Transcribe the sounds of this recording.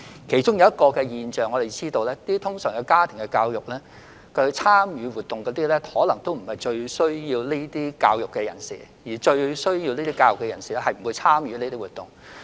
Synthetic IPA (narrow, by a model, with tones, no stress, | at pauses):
kʰe˨˩jt͡ʃʊ˥ŋjɐ˨˧wjɐ˥t̚kɔː˧kɛː˧jiː˨˧nt͡ʃœː˨ŋːɔː˨˧t̪e˨˩t͡siː˥t̪o˧wlɛː˥t̪iː˥t̪ʰʊ˥ŋsœː˨˩ŋkɐ˧wkaː˥t̪ʰɪ˨˩ŋkɛ˧kaː˧wjʊ˨k̚lɛː˥ | kə˧t͡sʰaː˥mjyː˨˧wuː˨t̪ːʊ˨ŋkɔː˨˥t̪iː˥lɛː˥hɔː˨˥lɐ˨˩ŋt̪o˥wm̩˨˩hɐ˨jt͡ʃɵ˧ɥsɵ˥ɥjiː˧wne˥t̪iː˥kaː˧wjʊ˨kːɛː˧jɐ̰˨˩nsḭː˨˩ | jiː˨˩t͡ʃɵ˧ɥsɵ˥ɥjiː˧wne˥t̪iː˥kaː˧wjʊ˨kːɛ˧jɐ˨˩nsi˨lɛ˥hɐ˨jm̩˨˩wu˨˧jt͡sʰaː˥mjyː˨˧ne˥t̪i˥wuː˨t̪ʊ˨ŋ